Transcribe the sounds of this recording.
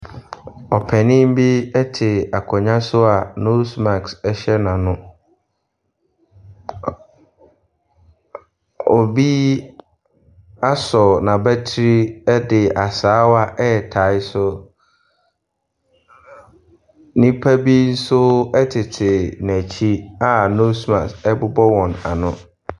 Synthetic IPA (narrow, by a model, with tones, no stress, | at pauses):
ɔ˨pʰɛ˨nɪ̃˦m˦bi˦ɛ˦tʰɪ˨a˨kʰɔ˨ɲã˦sʊ˦a˨no˦sma˨ksɛ˦ɕɛ˦nã˨nʊ̃˦ | ɔ˨bi˦ | a˦sɔ˨nã˨bæ˦tʰi˦ɾi˦ɛ˦dɪ˨ʔa˨saː˨˦wa˦ʔɛ˦˨tʰa˨˦ɪ˦sʊ˦ | nĩ˦pʰæ˦bi˦n̩˦sʊ˦ɛ˦tʰɪ˨tʰɪ˨næ˨t͡ɕʰi˦a˦no˦smã˨ksɛ˦bʊ˦bɔ˦wɔ̃˨na̰˨nʊ̃˦